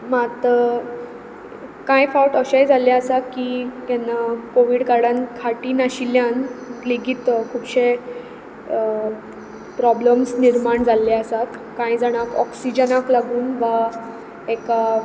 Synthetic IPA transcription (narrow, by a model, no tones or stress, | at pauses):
mat̪ə | kãjfawʈəɕajd͡zʱaljaəsat̪̚kit̪janːakoʋiːɽkaɽãnkʰaʈiːnaɕiljanɡliɡit̪kʰupɕe | pɾɔbləmsniɾmaɳd͡zʱalːaəsat̪kãjd͡zaɽ̃akɔ̰ksid͡ʑənaklaɡuːnʋa | eka